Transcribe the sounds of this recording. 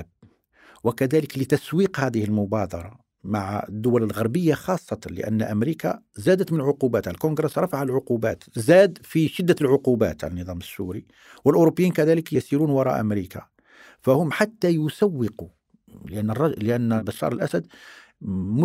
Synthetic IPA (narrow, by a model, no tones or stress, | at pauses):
b̚ | wəkæd̪æləklət̪æswiqhæd̪əhəlmʊbɑd̪ɑɾˤɑ | maʕəd̪ːʊwæləlɣɑɾˤbəjːaxɑsˤːɑt̪lə̰ʔæ̰nːʔæmɾika̰ | zæd̪ət̪mənəlʕʊqubæːt̪ʕallkoɡɾəsɾˤɑfaʕəlʕʊqubæ̰t̪zæd̪fiʃɪd̪ːælʕʊqubæ̰t̪ʕalənːəd̪ˤɑməsːuɾi | wəlʔʊɾobːəjːiːnkæd̪æləkjsiɾunwɑɾˤɑ̰ʔə̰mɾika̰ | fæhʊmħat̪ːæjʊsæwːɪqu | ləʔænːərˤːɑləʔænːbɑʃːɑ̰ɾˤəlʔæsæd̪ | mʊ